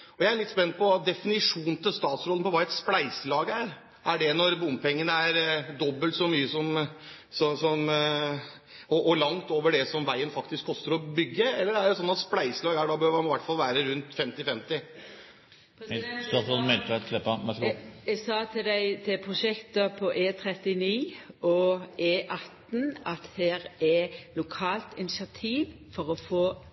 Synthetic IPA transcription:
ɔjæɪæɾɭɪt̪ːspɛnːpʰɔd̪ɛfɪnɪʂuːnt̪ʰɪlst̪ɑːt̪sɾɔlnpʰɔʋɑːɛt̪splæɪsəlɑːɡəæɾ | ʔæɖɛnɔɾbʊmpʰɛŋːənəæɾd̪ɔbːəlt̪sɔmyːəsɔm | sɔsɔm | ɔʔɔlɑŋt̪oːʋəɖɛsɔmʋæɪənfɑkt̪ɪskʰːɔst̪əɾɔbʏɡːəɛlːəɾæɖɛsɔnːɑt̪splæɪsəlɑːɡəæɖɑbøːʋɑnɪʋæʈːfɑlʋæːɾəɾʉnt̪fɛmt̪ɪfɛmt̪ɪ | sɑɔmɛt̪ʋæt̪kʰlɛpɑmɛɡsɑːt̪ʰɪd̪æɪt̪ʰɪpʰʁʊʃɛkt̪ɑpʰɔʔeːt̪ʰɾɛt̪ɪniːɔeːʔɑt̪nɑt̪heːɾɛlʊkʰɑːlt̪ɪnɪsɪɑt̪ʰiːʋ | fɔɾɔfoː

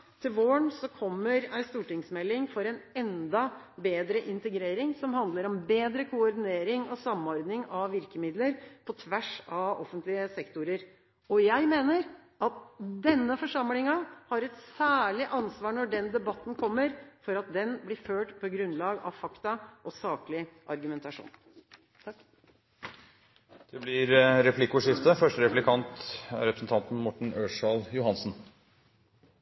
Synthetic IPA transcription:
t̪ʰɪlʋoːɳsɔkʰɔmːəɾæɪst̪uːʈɪŋsmɛlːɪŋfɔɾɛnɛnd̪ɑ | beːd̪ɾəʔɪnt̪əɡɾeːɾɪŋsɔmhɑnd̪ləɾɔmbeːd̪ɾəkʰʊɔɾɖɪneːɾɪŋɔsɑmːɔɾd̪nɪŋɑʋʋɪɾkəmɪd̪ləɾpʰɔt̪ʰʋæʂɑɔfənt̪lɪəsɛkt̪ʊɾəɾ | ɔjæɪmeːnəɾʔɑt̪d̪ɛnːəfɔʂɑmlɪŋɑhɑɾɛt̪sæːɭɪʔɑnsʋɑːɳɔɖɛnd̪ɛbɑt̪ːn̩kʰɔmːəɾfɔɾɑt̪̚d̪ɛnblɪføːʈpʰɔɡɾʉnːlɑːɡɑʋfɑkt̪ɑʔɔsɑːklɪʔɑɾɡʉmɛnt̪ɑʂṵːn | d̪̥ɛblɪɾɾɛpʰlɪkʊʂɪft̪əfœʂʈəɾɛplɪkʰɑnt̪æ̰ɾɛpɾəsn̩t̪ɑnt̪n̩mɔʈɳ̩øːʂɑljʊhɑnsn̩

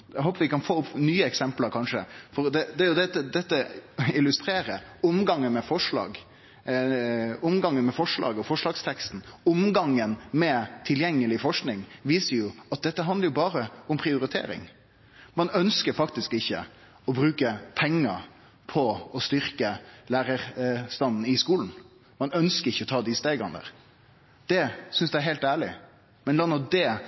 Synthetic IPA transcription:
æɦoːpəʋɪkɑnfoːʊpːnyːəɛksɛmpləɾkʰɑnʂəfɔɾd̪ɛd̪ɛæɾjʊd̪ɛt̪ːəd̪ɛt̪ːəɪlʉst̪ɾeːɾəʊmɡɑŋːənmɛfɔʂɭɑ̰ːɡ | ʊmɡɑŋːənmɛfɔʂɭɑ̰ːɡəɔfɔʂɭɑːɡst̪ʰɛkst̪n̩ʊmɡɑŋːənmɛt̪ʰɪljɛŋːəlɪfɔʂknɪŋʋiːsəɾjʊɑt̪̚d̪ɛt̪ːəɦɑnd̪əɾjʊbɑːɾəʊmpʰɾɪʊɾɪt̪ʰḛːɾɪ̰ŋ | mɑnœnskəɾfɑk̚t̪ɪskɪçːə̰ | ɔbɾʉːkəpʰɛŋːəɾ | pʰɔɔst̪ʏɾkəlæːɾəɾst̪ɑnn̩ɪskuːln̩ | mɑnœnskəɾɪçːəɔt̪ʰɑːd̪ɪst̪eːɡəɔnd̪ə̰ɾ | d̪̥ɛsʏnsd̪ɛæɾɦɛɪlt̪æːɭɪ | mɛnlɑnɔd̪ɛː

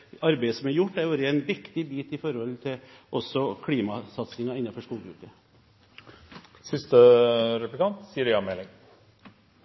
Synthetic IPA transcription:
ɑɾbæɪəsɔmæɾjʊʈːæoːɾəɛnʋɪkt̪ɪbiːt̪ɪfɔɾhɔlt̪ʰɪʔɔsɔkʰɽiːmɑsɑt̪sɪŋɑɪnːɑfɔʂkuːlɡɾʉ̰ːpːə | sɪst̪əɾɛp̪ɪkʰɑnt̪siːəɾjɑmɛːlɪŋ

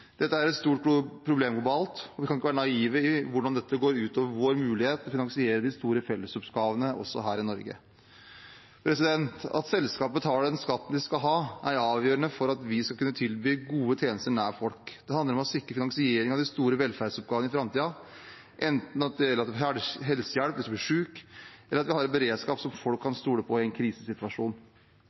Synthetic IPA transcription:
d̪̥ɛt̪ːəæɾɛt̪st̪uːʈpʰːɾʊbleːmɡlʊbɑːlt̪ɔʋɪkɑnɪkːəʋæːɾənɑiːʋəɪʋʊɖɑnd̪ɛt̪ːəɡoːɾʉːt̪oːʋəɾʋoːɾmʉːlɪheːt̪lɔfɪnɑŋsɪeːɾəd̪ɪst̪uːɾəfɛlːəsɔpɡɑːʋənəʔɔ̰sːɔ̰ɦæːɾɪnɔɾɡə̰ | pʰɾɛsɪd̪ɛnt̪ɑ̰t̪sɛlskɑːpət̪hɑɖɛnskɑt̪ːn̩d̪ɪskɑlɦɑːʔæɾɑːʋjøːɾənəfɔɾɑt̪ʋɪskɑlkʉnːət̪ʰɪlbyːɡuːət̪ʰjeːnəst̪əɳæːɾfɔlkd̪ɛhɑnd̪əɾɔmɔsɪkːɾəfɪnɑŋsɪeːɾɪŋɑʋd̪ɪst̪uːɾəʋɛlfæɾɖ̪sɔp̚ɡɑːʋənɪfɾɑmt̪iːɑ | ʔɛnt̪n̩ɑt̪̚d̪ɛɛlːəɾɑt̪ɛfɦɛlsəjæɽpʋɪskɑb̪iːʂʉːkʔɛləɾɑt̪ʋɪhɑɾɛt̪̚bəɾeːd̪skɑːpsɔmfɔlkʰːɑnst̪uːɽəpʰɔɪɛɪnkʰɾiːsəsɪt̪ʉʋɑʂuːn

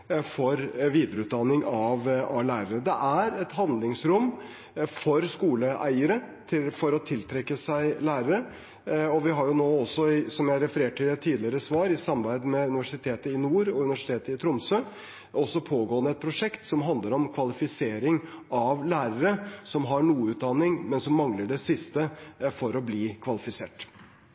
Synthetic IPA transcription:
fɔɾʋiːd̪əɾəʉːt̪̚d̪ɑnːɪŋɑʋɑlæːɾəɾəd̪ɛʔæɾɛt̪hɑnd̪lɪŋsɾʊmː | fɔɾskuːləʔæ̰ɪəɾət̪ʰɪfɔɾɔt̪ʰɪlt̪ʰɾɛkːəsæɪlæːɾəɾə | ɔʋɪɦɑɾjʊnoːɔsːɔɪsɔmjæɪæɾɛfəɾeːʈʰːɪlt̪ʰiːd̪lɪəɾəsʋɑːɾɪsɑmbæɪd̪mɛʉnɪʋæʂɪt̪ʰeːt̪əɪnuːɾɔʉnɪʋæʂɪ̥t̪ʰeːt̪əɪt̪ʰɾʊmsø | ʔɔsːɔpʰoːɡoːənəɛt̪̚pʰɾʊʂɛkt̪sɔmɦɑnd̪ləɾɔmkʰʋɑlɪfɪseːɾɪŋ | ɑʋlæːɾəɾəsɔmɦɑɳuːʉːt̪̚d̪ɑnɪŋmɛnsɔmːɑŋləɖɛsɪst̪əfɔɾɔbliːkʰʋɑlɪfɪsḛːʈ

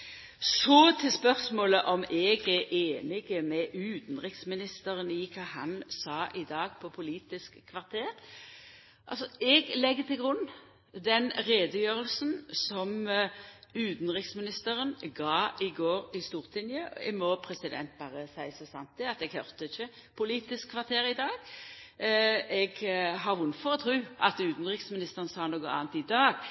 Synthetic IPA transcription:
sɔt̪ʰɪspœʁsmoːləʔɔmɛɡæʔeːnɪɡəmɛʔʉːt̪n̩ʁɪksmɪnɪst̪əʁənɪkʰɑːhɑnsɑːʔɪd̪ɑːɡ̚pʰɔpʰʊliːt̪ɪskʰːʋɑʁt̪ʰeːʁ | ʔɑ̰lsɔɛɡlɛɡːət̪ʰɪlɡʁʊnː | d̪ɛnʁeːd̪əjøːʁəlsn̩sɔm | ʉːt̪n̩ʁɪksmɪnɪst̪əʁənɡɑːɪɡoːʁɪst̪uːʁt̪ʰlɪnjəɛmɔpʰʁɛsɪd̪ɛ̰nt̪̚bɑːʁəsæɪsɔsɑ̰nt̪̚d̪ɛɑt̪ɛɡhœʁt̪əɪçːə | pʰʊliːt̪ɪskʰːʋɑʁt̪ʰeːɾɪd̪ɑːɡ | ɛɡɦɑʁʋʊnːfɔʁɔt̪ʰʁʉːɑt̪ʉːt̪n̩ʁɪksmɪnɪst̪əʁənsɑːnoːɡəɑ̰ːnt̪ɪd̪ɑːɡ

